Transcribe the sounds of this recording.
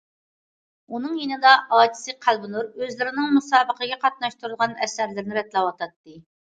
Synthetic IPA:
unɨŋjenɨd̪ɑɑːd͡ʒʰi̥sɨqʰælˠbɨnuɾøzlɪɾɪnɪŋmusɑːbəqʰəɡʲɛqʰɑt̪̚nɑʃt̪ʰuɾulˠʁɑnɛsæɾlɪɾnɪɾɛt̪lˠɑwɑt̪ʰɑt̪ːɨ

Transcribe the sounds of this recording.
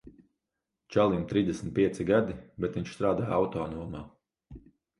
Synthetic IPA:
t͡ʃalˠimt̪ɾiːzd̪ʲɛsm̩t̪̚pʲiɛsiɡad̪ibɛt̪viɲʃst̪ɾaːd̪aːjawt̪ɔːnuɔmaː

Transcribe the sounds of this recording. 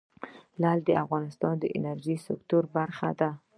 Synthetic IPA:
lɑld̪əafɣɑnɪst̪ɑnd̪əʔɪ̰naɾʒisɪkt̪uɾbaɾxa̰d̪a

